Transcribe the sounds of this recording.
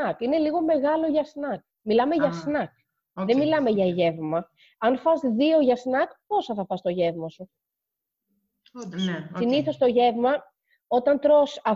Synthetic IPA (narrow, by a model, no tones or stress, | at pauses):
ɐkine̞liɣo̞me̞ɣɐlo̞ʝɐsnɐk̚ | milɐme̞ʝɐsnɐk̚ | ðemilɐme̞ʝɐʝe̞vmɐ | ɐnfɐzðio̞ʝɐsnɐkpo̞sɐθɐfɐst̪o̞ʝe̞vmɐsu | siniθo̞st̪o̞ʝe̞vmɐ | o̞t̪ɐnt̪ɾo̞sɐ